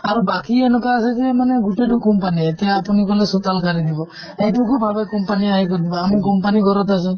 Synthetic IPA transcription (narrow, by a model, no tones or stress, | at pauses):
aɾubakienɔkaːsed͡ʒemaneɡuʈeʈukɔmpaniet̪eapunikɔlesut̪alkʰaɾid̪ibɔ | eʈukubʱabekɔmpaniaɦikɔd̪ibɔamikɔmpanikɔɾɔt̪asɔ